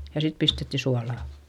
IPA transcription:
jɑ sit pistetːi suɑlɑˑ

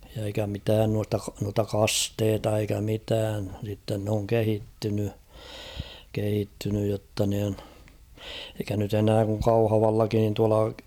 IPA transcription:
jɑ eikæ mitæːn nuɑstɑ k nuɑtɑ kɑsteːtɑ eikæ mitæːn sitːen n oŋ kehitːyny kehitːynyj jotːɑ niːn eikæ nyt enæː kuŋ kɑuhɑʋɑlːɑkin nin tuɑlɑ

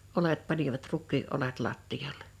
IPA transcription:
olet pɑniʋɑt rukˑiː olet lɑtːijɑlːe̥

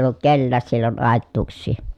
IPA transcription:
olːut kelːæːs silːon ɑˑetːuːksˑiː

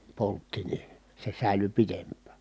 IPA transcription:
poltːi ni se sæˑily pitempːæˑ

